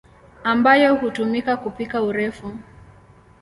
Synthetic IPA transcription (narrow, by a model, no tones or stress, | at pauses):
ambajɔhutumikakupikauɾɛfu